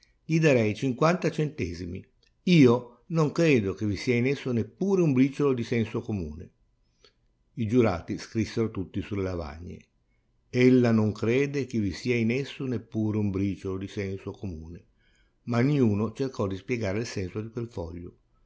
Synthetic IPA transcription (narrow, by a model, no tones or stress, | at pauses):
ʎid̪aɾɛjt͡ʃiŋkwant̪at͡ʃent̪ɛːzimḭ | iːo | noŋkɾeːd̪ok̟evisiːainesːonepːuːɾeumbɾiːt͡ʃolod̪isɛnsokomṵːne | id͡ʒuɾa̰ːt̪iskɾisːeɾot̪ut̪ːisulːelava̰ɲːḛ | elːanoŋkɾeːd̪ek̟evisiːainesːonepːuːɾeumbɾiːt͡ʃolod̪isɛnsokomuːne | maniuːnot͡ʃerkɔd̪ispjeɡaːɾeilsɛnsod̪ikwelfɔ̰ʎːo̰